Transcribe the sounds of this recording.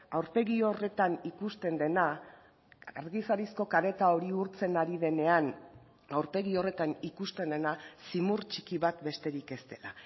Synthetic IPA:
awɾpe̞ɣio̞re̞t̪anikust̪e̞nd̪e̞na | aɾɣisaɾisko̞kaɾe̞t̪ao̞ɾiuɾt͡se̞naɾið̞e̞ne̞an | awɾpe̞ɣio̞re̞t̪anikust̪e̞nd̪e̞nasimuɾt͡ʃi̥kiβat̪be̞st̪e̞ɾike̞st̪e̞la

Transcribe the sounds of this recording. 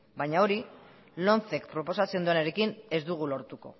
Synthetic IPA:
bajɲao̞ɾi | lo̞nθe̞kpɾo̞po̞sat͡send̪oeneɾekine̞zd̪uɣ̞ulo̞ɾt̪uko̞̰

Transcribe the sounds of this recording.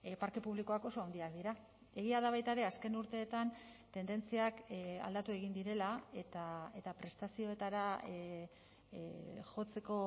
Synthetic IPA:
paɾke̞puβliko̞ako̞so̞awnd̪iakd̪iɾa | e̞ɣiað̞aβ̞ajt̪aeɾe̞aske̞nuɾt̪e̞ːt̪ant̪e̞nd̪e̞nt͡siaka̰ld̪at̪ue̞ɣ̞ind̪iɾe̞laet̪ae̞t̪apɾe̞st̪asio̞e̞t̪aɾa | ʝo̞t͡se̞ko̞

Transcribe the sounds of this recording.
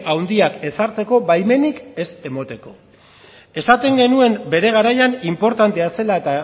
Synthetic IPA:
awnd̪iake̞saɾt͡se̞ko̞βajme̞nike̞se̞mo̞t̪e̞ko̞̰ | e̞sat̪e̞ŋɡe̞nue̞mbe̞ɾe̞ɣ̞aɾajanimpo̞ɾt̪ant̪e̞ase̞laet̪a

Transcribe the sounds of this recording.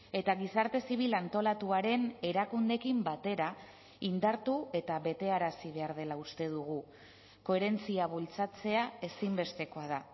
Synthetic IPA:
e̞t̪aɣisaɾt̪e̞siβ̞ilant̪o̞lat̪uaɾe̞ne̞ɾakund̪e̞kimbat̪e̞ɾa | ind̪aɾt̪ue̞t̪aβe̞t̪e̞aɾasiβ̞e̞aɾð̞e̞laust̪e̞ðuɣ̞u | ko̞e̞ɾe̞nt͡siaβult͡sat͡se̞ae̞simbe̞st̪e̞ko̞að̞a

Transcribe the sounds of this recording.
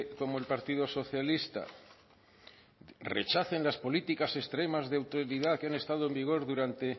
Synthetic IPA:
ko̞moe̞lpaɾt̪iðo̞so̞θjalist̪a̰ | re̞̰t͡ʃaθe̞nlaspo̞lit̪ikase̞st̪ɾe̞mazðeawt̪oɾiðakeane̞st̪aðoe̞mbiɣ̞o̞ɾðuɾant̪e̞

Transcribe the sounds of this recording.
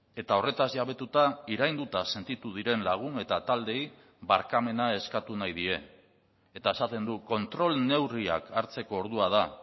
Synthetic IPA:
e̞t̪ao̞re̞t̪azʝaβ̞e̞t̪ut̪aiɾajnd̪ut̪ase̞nt̪it̪uð̞iɾe̞nlaɣ̞une̞t̪at̪ald̪e̞i | βaɾkame̞nae̞skat̪unajð̞ie̞ː | t̪aesat̪e̞nd̪uko̞nt̪ɾo̞lne̞wria̰kaɾt͡se̞ko̞ːɾð̞uað̞a

